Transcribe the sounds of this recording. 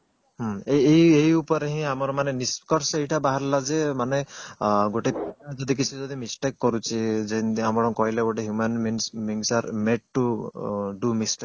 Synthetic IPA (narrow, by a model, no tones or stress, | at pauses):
ɦɔejeɦjupɔɾeɦĩamɔɾɔmaneniskɔɾsejʈabaɦaɾlad͡ʒemaneɡoʈepad͡ʒɔd̪ik̬it͡ʃʰid͡ʒɔd̪imisʈekːɔɾut͡ʃʰid͡ʒeniamɔɾɔ̃kɔɦileɡoʈeɦjumanbinsmiŋsaɾmeʈ̚ʈu | ɖumisʈe